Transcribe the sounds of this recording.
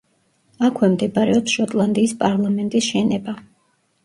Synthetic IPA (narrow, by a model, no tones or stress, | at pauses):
akʰwɛmd̪ɛbaɾɛɔpsʃɔt̪ʼlˠand̪iːspʼaɾlˠamɛnt̪ʼisʃɛnɛba